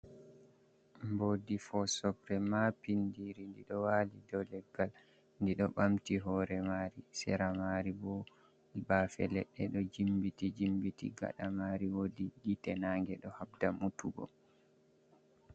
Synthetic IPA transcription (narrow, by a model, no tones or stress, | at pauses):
mbodifɔsɔpɾɛmapindiɾindiɗɔwalidɔlɛɡːal | ndiɗɔɓamtiɦɔɾɛmaɾisɛ̰ɾamaɾibɔ | bafɛ̰lɛɗːɛɗɔd͡ʒimbitid͡ʒimbitḭɡa̰ɗamaɾiwodiɡitɛnaŋɡɛɗɔhab̚damutuɡɔ̰